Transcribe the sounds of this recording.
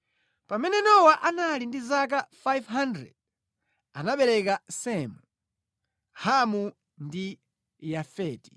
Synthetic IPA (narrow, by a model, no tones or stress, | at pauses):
pamɛnɛnɔwaʔanalindizak̬afajvɦandɾɛ̰d̚ | anaɓɛɾɛkasɛmu | hamu | ndi | jafɛːti̥